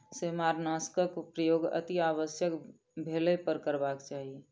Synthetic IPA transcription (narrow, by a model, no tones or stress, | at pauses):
semaːɾnaːskəkpɾəjoːɡə̰t̪iaːʋəsjək | bʱeːlepəɾkəɾbaːkt͡ʃaːɦie